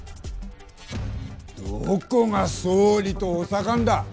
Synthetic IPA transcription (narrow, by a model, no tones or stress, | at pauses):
d̪̥oːkoŋasoːɾʲit̪oosakand̪a